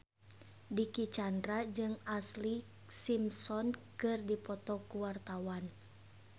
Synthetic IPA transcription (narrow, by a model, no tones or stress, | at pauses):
dikit͡ʃandɾad͡ʒɨŋasli | simsɔnkɨrdipɔt̪ɔkuwart̪awan